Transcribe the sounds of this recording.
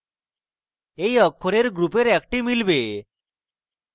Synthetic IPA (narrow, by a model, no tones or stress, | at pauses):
ejɔkʰːɔɾeɾɡɾupeɾɛkʈimilbe